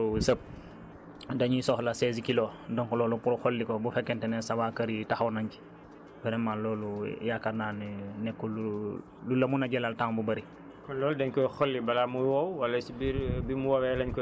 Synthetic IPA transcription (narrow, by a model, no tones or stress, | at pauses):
səp̚ | daɲisɔxlasezkilodɔŋklɔːlupuɾxolːikobufekːɛntenɛsawakɐɾitaxawnaɲki̥ | bɛɾɛmːalːɔːlujakanaːnnɛkːulu | lulɐmunaɟɛlaltaŋbubɐɾi | kɔlɔːldɛɲkɔjxolːibalamuwowwalasibiɾbimuwawɛlaɲk